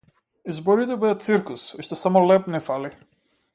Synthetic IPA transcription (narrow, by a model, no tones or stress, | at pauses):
izbɔɾit̪ɛbɛat̪siɾkusɔʃt̪ɛsamɔlɛpnɛfali